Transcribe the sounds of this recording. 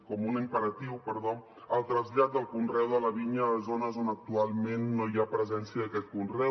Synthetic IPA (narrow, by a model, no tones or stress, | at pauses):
kɔmunimpəɾət̪iwpəɾðo | əlˠt̪ɾəzʎat̪̚d̪əlˠkunrɛwðələβiɲələzonəzonək̚t̪ualˠmenːojapɾəzɛnsiəðəkɛt̪̚kunrɛw